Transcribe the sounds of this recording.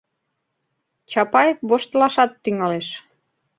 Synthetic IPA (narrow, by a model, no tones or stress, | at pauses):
t͡ɕɑpɑjβoʃt̪lɑʃɑt̪ːyŋɑleʃ